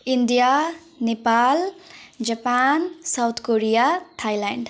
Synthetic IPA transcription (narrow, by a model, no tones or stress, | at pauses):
ind̪ija | nepald͡ʒapansawt̪ʰkoɾijaʈʰajlaɳɖ